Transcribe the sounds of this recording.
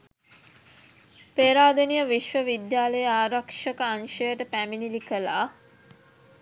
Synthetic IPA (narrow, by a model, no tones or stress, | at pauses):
peːɾaːd̪ənijəʋiʃʋəʋid̪jaːləjəaːɾɐkʂəkəanʃəjəʈəpæminilikəlaː